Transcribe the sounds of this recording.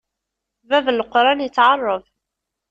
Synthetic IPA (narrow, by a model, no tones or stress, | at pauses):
vævəlqɾˤɑnjət͡sːʕɑrˤːəv